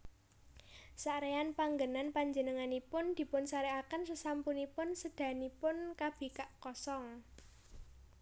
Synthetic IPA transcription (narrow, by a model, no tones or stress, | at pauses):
saɾeanpaŋɡənanpaɲd͡ʒənəŋanipʊnd̪̥i̤pʊnsaɾeakənsəsampunipʊnsəd̪̥ä̤nipʊnkab̥e̤kaʔkɔsɔŋ